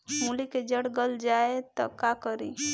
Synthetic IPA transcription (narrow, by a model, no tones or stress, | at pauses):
muliked͡ʒəɽɡəld͡ʒaet̪ɔkakəɾi